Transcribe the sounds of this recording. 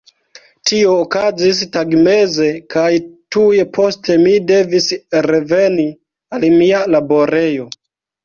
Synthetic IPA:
tio̞ːkazistaɡme̞ze̞kajtuje̞pʰo̞stʰe̞mide̞visɾe̞ve̞ni | almialabo̞ɾe̞jo̞

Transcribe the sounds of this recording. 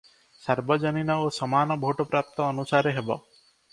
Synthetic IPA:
saɾbɔd͡ʒɔninɔosɔmanɔbʱoʈɔpɾap̚t̪ɔːnusaɾeɦebɔ̰

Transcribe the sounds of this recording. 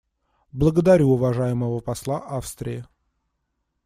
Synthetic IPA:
blˠəɡəd̪ɐɾʲuʊvɐʐajɪməvəpɐslˠaʔafst̪ɾʲɪɪ

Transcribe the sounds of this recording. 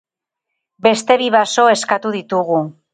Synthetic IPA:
be̞st̪e̞βiβaso̞e̞skat̪uð̞it̪uɣu

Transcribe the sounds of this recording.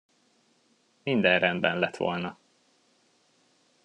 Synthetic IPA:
mind̪ɛnrɛnd̪bɛnlɛt̪ʋo̞̰lnɒ

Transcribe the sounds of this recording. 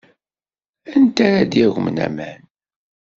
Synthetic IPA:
ænt̪æɾæd̪jæɣəmnæ̰mæn

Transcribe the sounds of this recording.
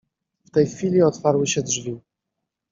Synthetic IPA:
ft̪ɛjxfʲilʲiɔt̪faɾwɘɕɛdʐvʲi

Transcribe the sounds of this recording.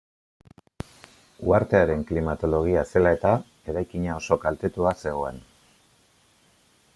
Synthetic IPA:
uaɾt̪e̞aɾe̞ŋklimat̪o̞lo̞ɣ̞iase̞lae̞t̪a | e̞ɾajkiɲao̞so̞kalt̪e̞t̪uase̞ɣ̞o̞e̞n

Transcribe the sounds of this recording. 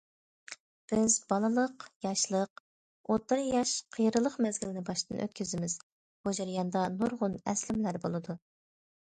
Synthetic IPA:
b̥ɪzbɑlˠɨlˠəqjɑʃlˠəq̚ | ot̪ːɨɾjɑʃqʰəjɾɨlˠəqmɛzɡʲilɪnɪbɑʃt̪ɨ̰nʔø̰t̪̚ʲkʲʰyzɪmɪz̥ | bud͡ʒiɾijɑnd̪ɑnoɾʁʊnɛslɪmlæɾbolˠɨd̪u

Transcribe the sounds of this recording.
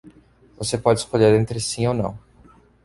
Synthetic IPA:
vosepɔd͡ʒɪskoʎeɾẽnt̪ɾɪsĩownɐ̰̃w̃

